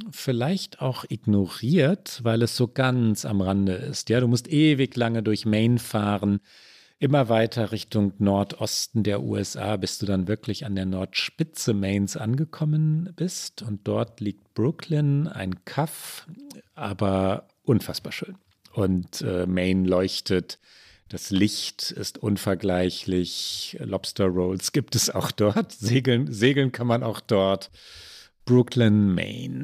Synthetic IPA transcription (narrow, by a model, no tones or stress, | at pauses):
fɪlaɪçtaʊxʔɪɡnoʁiːɐtvaɪlɛsz̥oːɡ̥ant͡sa̰mʁandəʔɪ̰stjaːɾuːmʊstʔeːvɪçlaŋədʊɐçmɛɪnfaːʁən | ʔɪmɐvaɪtʰɐʁɪçtʊŋnɔɐtʔɔstn̩deːɐʔṵːɛ̰sʔa̰ːbɪst̚d̥uːdanvɪɐklɪçandeːɐnɔɐtʃpɪt͡səmɛɪnsʔa̰nɡəkʰɔmənb̥ɪstʊnt̚d̥ɔɐtliːk̚t̚b̥ʁʊkʰlɪna̰ɪnkʰaf | ʔaːbɐ | ʔʊnfasb̥aːɐʃøːn | ʔʊntʔɛ̰ːmɛɪnlɔʏçtət | d̥aslɪçtɪ̰stʔʊnfɛɐɡlaɪçlɪçlɔpstɐʁoʊlsɡ̥iːptɛsa̰ʊxd̥ɔɐtzeːɡl̩nzeːɡl̩nkʰanmana̰ʊxd̥ɔɐt | b̥ʁʊkʰlɪnmḛɪn